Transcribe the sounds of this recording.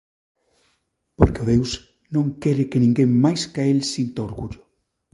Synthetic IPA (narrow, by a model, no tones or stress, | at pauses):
poɾkɪʊðews | nõŋkɛɾɪkɪnĩŋɡeŋmajskaelsint̪aoɾɣuʎʊ